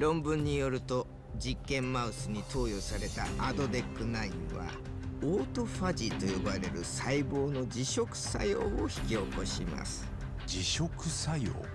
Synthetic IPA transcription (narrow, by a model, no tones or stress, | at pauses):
ɾõ̞mbɯ̟̃ɲ̟ːijo̞ɾɯ̟t̪o̞ | d͡ʑikːẽ̞mːaɯ̟sɨɲ̟it̪ʰo̞ːjo̞saɾe̞t̪a̰ad̪o̞d̪e̞kːɯ̟naimɯβa̰ | o̞ːt̪o̞ɸad͡ʑit̪o̞jo̞baɾe̞ɾɯ̟saibo̞ːno̞d͡ʑiɕo̞kɯ̟̥sa̰jo̞̰ːoçi̥kʲio̞ko̞ɕima̰sɨ̥ | d͡ʑiɕo̞kɯ̟sajo̰ː